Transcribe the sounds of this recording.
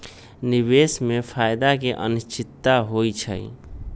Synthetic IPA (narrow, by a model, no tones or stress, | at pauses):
nibesmepʰajd̪akeʔə̰nist͡ʃɪt̪ːaɦojt͡ʃʰə̰j